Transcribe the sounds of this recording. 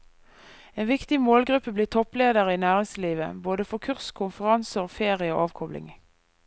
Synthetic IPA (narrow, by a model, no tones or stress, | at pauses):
eːnʋɪkt̪ɪmoːlɡʁʉpːəbliːt̪ʰɔpleːd̪əʁiːnæːʁɪŋsliːʋə̰boːd̪əfɔkʰʉʁskʰʊnfəʁɑnsəʁfeːʁɪəo̰ːʔɑːʋkʰɔblɪ̰ŋ